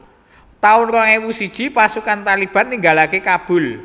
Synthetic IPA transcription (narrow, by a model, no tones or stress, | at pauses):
t̪aʊnrɔŋewusid̥ʒ̥i̤pasukant̪alib̥a̤nːiŋɡalakekab̥ʊ̤l